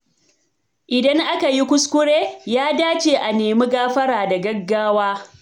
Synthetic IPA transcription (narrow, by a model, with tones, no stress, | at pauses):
ʔɪ˨dɐ˦ŋʔa˦ka˨ji˦kʷʊ˦skʷʊ˦ɽeː˦jaː˦daː˦t͡ʃeː˨ʔa˨neː˨mi˦ɡaː˦ɸɐ˦ɽaː˨da˨ɡɐ˦ɡːaː˦waː˦